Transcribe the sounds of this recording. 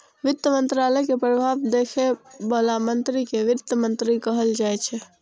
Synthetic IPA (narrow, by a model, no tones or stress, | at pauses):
ʋɪt̪ːəmənt̪ɾaləjkepɾəbʱaʋd̪ekʰebəlamənt̪ɾikeʋɪt̪jəmənt̪ɾikəɦəld͡ʒajt͡ʃʰɛ